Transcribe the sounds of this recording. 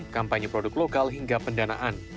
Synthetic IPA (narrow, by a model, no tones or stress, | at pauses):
kampaɲipɾodʊklokalɦiŋɡapəndana̰ʔan